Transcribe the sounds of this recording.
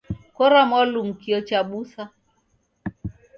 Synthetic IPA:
kɔɾamɔlum̩kiɔt͡ʃaɓusa

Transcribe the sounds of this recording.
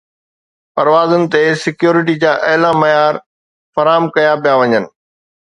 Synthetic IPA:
pɐɾʋaːzʊnɪ̆t̪esɪkjoːɾɪʈ̬id͡ʑaːʔɐɦlamɐjaːɾ | fɐɾaːmkɐjapijaʋɐɲənɪ̆

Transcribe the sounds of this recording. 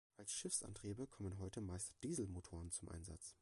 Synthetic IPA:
ʔalsʃɪfsʔa̰ntʁ̥iːbəkʰɔmənɦɔʏtəmaɪstd̥iːzl̩motʰoːʁənt͡sʊmʔa̰ɪnza̰t͡s

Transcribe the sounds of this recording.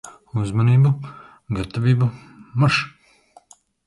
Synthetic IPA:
uzmaniːbu | ɡat̪ːaviːbu | maʃ

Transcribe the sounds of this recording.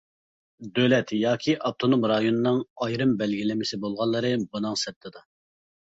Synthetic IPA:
d̪ølɛt̪jɑːkʲʰiʔɑp̚t̪ʰonomɾɑjonɨnɨŋɑjɾɨmbɛlɡʲilɪmɪsɪbolˠʁɑlˠːɨɾɨbunɨŋsɛp̚t̪ʰɨd̪ɑ

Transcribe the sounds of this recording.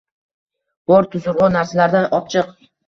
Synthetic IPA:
b̥ɒɾt̪ʰʊzʊɾʁʊnaɾsalaɾd̪anɒt͡ʃʰɨq

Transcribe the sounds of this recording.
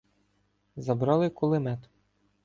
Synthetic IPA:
zɐbɾɑlˠɪkʊlˠɪmɛt̪

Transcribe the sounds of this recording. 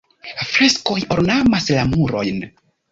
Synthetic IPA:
fɾe̞sko̞joɾnamaslamuɾo̞̰jn

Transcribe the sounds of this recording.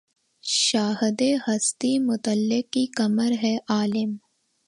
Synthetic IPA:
ʃaːɦd̪ehɐst̪imʊt̪əlːɪkːikɐməɾɦɛʔaːlɪm

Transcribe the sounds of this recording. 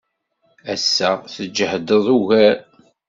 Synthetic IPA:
æsːəʁθəd͡ʒːəhd̪əðˤuʝæ

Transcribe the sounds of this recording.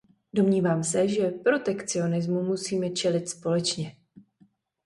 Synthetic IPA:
do̞mɲiːvaːmsɛʒɛpɾo̞t̪ɛkt͡sɪo̞nɪzmumusiːmɛt͡ʃɛlɪt̪spo̞lɛt͡ʃɲɛ

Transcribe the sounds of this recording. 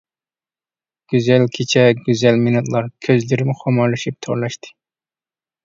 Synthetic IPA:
ɡ̥ʲyzɛlkʲʰet͡ʃʰɛɡʲyzɛlminɑt̪lˠɑɾkʲʰøzlɪɾɪmχʰomɑɾlˠɨʃip̚t̪ʰoɾlˠɑʃt̪ɨ̥

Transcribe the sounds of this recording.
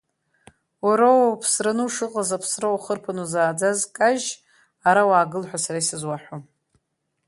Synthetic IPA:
waɾowwpʰsranɨuʂɨqʼazapʰsrawχərpʰanuzaːd͡zazkʼaʒ | aɾawaːɡɨlħʷᶣasaɾaisɨzwaħʷᶣom

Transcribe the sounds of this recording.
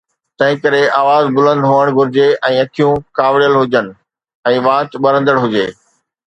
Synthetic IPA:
t̪ɐ̃ɦɪ̃kɐɾeaːʋaːzbʊlə̃nd̪ɦoːəɽ̃ɡʱʊɾɪd͡ʑeʔɛ̃ːɐkʰijũkaːʋɽijəlɦʊd͡ʑənɪ̆ | ɛ̃ːʋãːtɓɐɾə̃nd̪əɽɦʊd͡ʑeː

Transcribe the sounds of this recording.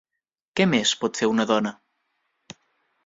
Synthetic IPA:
kɛmespɔt̪seɾunəðɔnə

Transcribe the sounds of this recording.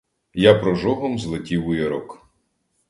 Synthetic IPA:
japɾɔʒɔɦɔmzlˠetʲiwʊjɐɾɔk

